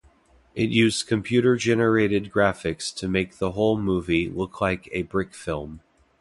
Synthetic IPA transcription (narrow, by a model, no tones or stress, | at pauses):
ʔɪt̚jʉzz̥kʰɨ̃mpʰj̥ʉɾə˞d͡ʒɛnə˞eɪɾɨd̚ɡɹæfɨkstʰɨmeɪk̚ðəɦoʊlˠmuvilʊkʰlaɪkɨbɹɪkfɪlˠm